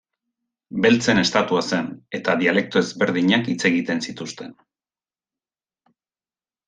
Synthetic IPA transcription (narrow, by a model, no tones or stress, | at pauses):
be̞lt͡se̞ne̞st̪at̪uase̞ne̞t̪aðiale̞k̚t̪o̞e̞zβe̞ɾð̞iɲakit͡se̞ɣit̪e̞nsit̪ust̪e̞n